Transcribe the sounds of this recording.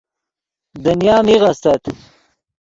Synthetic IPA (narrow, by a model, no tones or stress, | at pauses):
d̪ɐnjɑːmiɣɐst̪ɐt̪